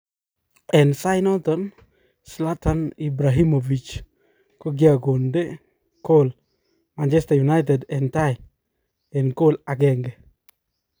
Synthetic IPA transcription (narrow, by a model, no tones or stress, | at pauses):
ɛnsajnɔtɔn | slatanibɾaɦimovit͡ʃ | koɡiaɡonde | kol | mant͡ʃɛstajunajt̬ɛdɛntaj | ɛnkolaɡɛŋɡe